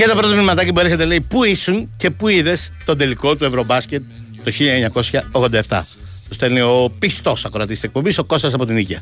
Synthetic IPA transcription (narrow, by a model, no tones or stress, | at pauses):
cet̪opɾot̪ɐminimɐt̪ɐcipuɾeçet̪ele̞jpuisuncepuiðe̞st̪o̞nd̪eliko̞t̪ue̞vɾo̞bɐsce̞t̪̚ː | oçiʎɐeɲɐko̞sçɐoɣðod̪ɐeft̪ɐ̰ | t̪ost̪eɾniopist̪o̞sɐko̞ɾɐt̪isisek̚po̞biso̞ko̞st̪ɐs̬ɐpo̞t̪inicɐ̰